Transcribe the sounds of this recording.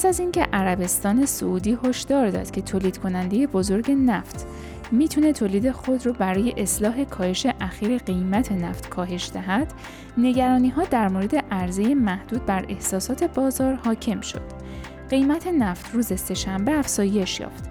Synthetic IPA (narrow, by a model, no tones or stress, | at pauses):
pʰæsæzincʰe̞̰ʔæɾæbe̞st̪ɒːne̞so̰uːd̪iːɦo̞ʃd̪̥ɒːɾd̪ɒ̰d̪̥cʰe̞t̪ʰoːliːd̪kʰo̞nænd̪e̞je̞bozo̞ɾɟe̞næft̪ʰ | miːt̪ʰune̞t̪ʰoːliːd̪e̞xo̞d̪ɾɔːbæɾɒːje̞ʔeslɒːɦe̞kʰɒːhe̞ʃe̞ʔæxiːɾe̞ɢe̞jmæt̪ʰe̞næ̰ft̪kʰɒːɦe̞ʃd̪æɦæd̪̥ | ne̞ɟæɾɒːniːɦɒːd̪æɾmoɾe̞d̪e̞ʔæɾze̞je̞mæhd̪̥uːd̪̚bæɾe̞hsɒːsɒːt̪ʰe̞bɒːzɒːɾhɒːcʰe̞mʃo̞̰d̪̥ | ɢ̥e̞jmæt̪ʰe̞næft̪ʰruːze̞se̞ʃæmbe̞æfz̥ɒːje̞ʃjɒ̰ːft̪